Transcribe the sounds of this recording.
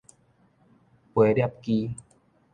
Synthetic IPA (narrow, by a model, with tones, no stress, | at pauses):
pu˨˩˦jdɛ˧˩p̚kiː˧